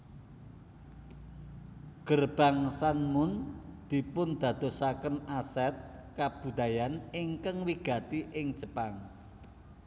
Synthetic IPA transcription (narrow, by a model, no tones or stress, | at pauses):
ɡ̥ərb̥a̤ŋsanmʊnd̪̥i̤pʊnd̪̥ä̤d̪̥o̤sakənasɛt̪̚ | kab̥ṳd̪a̤janɪŋkəŋwiɡ̥ä̤t̪iʔɪŋ̥ʒ̥əpaŋ